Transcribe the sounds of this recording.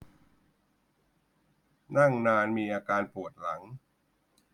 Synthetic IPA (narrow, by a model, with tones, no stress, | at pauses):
na˥˩ŋnaː˧nmiː˧ʔaː˧kaː˧npu˨˩ət̪̚la˩˦ŋ